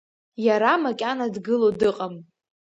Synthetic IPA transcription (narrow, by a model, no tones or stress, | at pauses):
jaɾamakʲʼanadɡɨlodɨqʼam